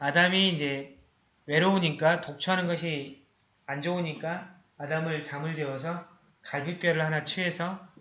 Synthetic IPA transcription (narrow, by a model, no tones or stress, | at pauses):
adamiːnd͡ʑe̞ | we̞ɾooɲik͈atok̚t͡ɕʰoanɯnɡʌɕʰi | and͡ʑʌoɲik͈aː | damɯɭt͡ɕamɯɭd͡ʑewʌs̬ʰʌ | kaɭbup͈jʌɾɯɭhanat͡ɕʰue̞sʰʌ